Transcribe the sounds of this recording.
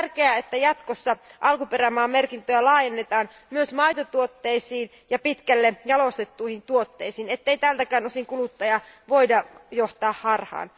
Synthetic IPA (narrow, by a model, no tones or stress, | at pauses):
rkeæet̪ːæjɑt̪kosːɑʔɑlkuperæmɑːmerkint̪øælɑːjenːet̪ɑːn | myøsmɑjt̪ot̪uot̪ːeisiːn | jɑpit̪kælːejɑlost̪et̪ːuihint̪uot̪ːeisiːnet̪ːeit̪æːlt̪ækæːnosiŋkulut̪ːɑjɑʋoidɑjoht̪ɑːhhɑrhɑ̰ːn